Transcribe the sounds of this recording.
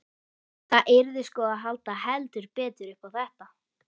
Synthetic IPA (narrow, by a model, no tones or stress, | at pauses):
θaʔɪɾðɪskɔːaɦalt̪aɦɛlt̪ʏɾpɛːt̪ʏɾʏhpawθɛht̪a